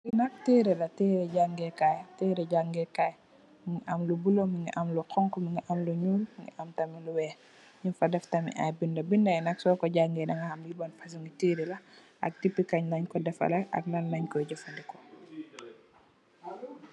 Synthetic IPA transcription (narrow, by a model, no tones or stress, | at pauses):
inɐk̚tiɾɛlɐtiɾɛɟaŋɡɛkajtiɾɛɟaŋɡɛkaj | miŋɡiʔɐmlubulomiŋɡiʔɐmluqʰɔŋkɔmiŋɡiʔamluɲuːlmiŋɡḭʔɐmtɐmiluwɛː | ɲifɐdɛftɐmḭʔa̰jbindɐbindɐjnɐksɔkɔɟaŋɡɛdɐŋɡɐhɐmjibanfɐs̬uŋɡitiɾilɐ | ʔɐ̰k̚tipːikɐɲlɐɲkɔdɛfɐ̰lɐʔɐ̰k̚lɐnːɐɲkɔɟɔfɐndikɔ